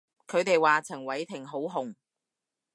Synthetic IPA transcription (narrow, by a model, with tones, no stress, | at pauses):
kʰɵ˨˧ɥt̪e˨jwaː˨t͡sʰɐ˨˩ŋwɐ˨˧jt̪ʰɪ˨˩ŋɦo˨˥wɦʊ˨ŋ